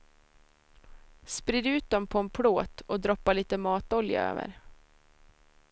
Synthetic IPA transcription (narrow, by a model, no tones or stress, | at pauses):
spɾiːd̪ʉ̟ːt̪̚d̪ɔmpʰɔɛnpʰɽoːt̪ɔd̪ɾɔpːaɭiːt̪əmɑːt̪ɔlja̰ø̰ːvə̰ɾ